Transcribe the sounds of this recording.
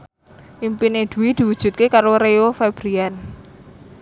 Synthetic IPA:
ʔimpined̪̥ṳwid̪̥i̤wud̥ʒ̥ṳt̪̚kekaɾoɾeofeb̥ɾian

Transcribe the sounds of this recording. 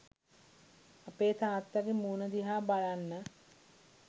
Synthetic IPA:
apeːt̪aːt̪ːaɾimuːnəd̪iɦaːbalanːə

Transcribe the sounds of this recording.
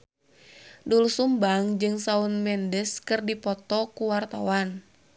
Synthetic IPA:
dulusumbaŋd͡ʒɨŋsaunmɛndəskɨrdipɔt̪ɔkuwart̪a̰wan

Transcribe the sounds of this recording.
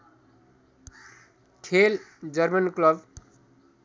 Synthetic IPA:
ʈʰeld͡zʌrmʌnklʌb

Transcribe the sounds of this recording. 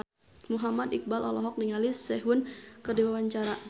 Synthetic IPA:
muɦamad̪ik̚balʔɔ̰lɔɦɔk̚niŋalisɛɦʊnkərdiwawaɲt͡ʃaɾa

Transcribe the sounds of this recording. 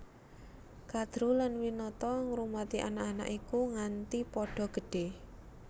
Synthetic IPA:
kad̪̥ɾulanwinɔt̪ɔŋɾumat̪iʔanaʔana̰ʔikuŋant̪ipɔɖ̥ɔ̤ɡ̥əɖ̥e

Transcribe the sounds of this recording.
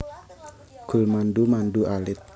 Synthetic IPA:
ɡ̥ulmandumanduʔalɪt̪̚

